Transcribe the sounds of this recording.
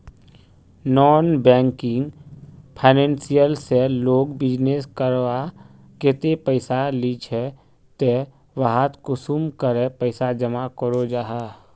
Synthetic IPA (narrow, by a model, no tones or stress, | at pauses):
nɔːnbɛ̃ːŋkɪŋɡpʰaɪnẽːnsijəlseloːɡbɪd͡ʒneskəɾwa | ket̪epəɪsalit͡ʃʰe | t̪e | ʋaɦat̪kosumkəɾepəɪsad͡ʒəmakəɾod͡ʒaːɦa